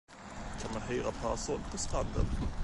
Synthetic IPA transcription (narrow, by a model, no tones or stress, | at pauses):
kʰanmanɦœʏɾapʰæsʊnpʰɔst̪ʁand̪ə̰n